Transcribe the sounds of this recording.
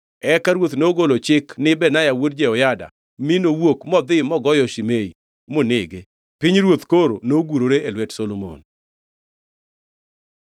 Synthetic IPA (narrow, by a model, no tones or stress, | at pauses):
ɛkaɾwot̪noɡolot͡ʃɪknɪbɛnajawodd͡ʒeɔjada̰ | minowokmɔd̪ɪmɔɡɔjɔʃimei | mʊnɪɡe | pɪɲɾwot̪koɾo̰noɡuɾoɾeelwɛtsolomo̰n